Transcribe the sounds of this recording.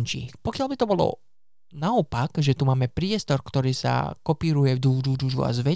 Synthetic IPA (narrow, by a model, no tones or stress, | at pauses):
ɲt͡ʃḭːxpɔkɪalbit̪ɔbɔlɔ̰ | naɔpakʒɛt̪umaːmɛpɾɪɛst̪ɔɾkt̪ɔɾiːsa̰kɔpiːɾujɛvd̪uːduːd̪uːʒṵa̰zʋɛ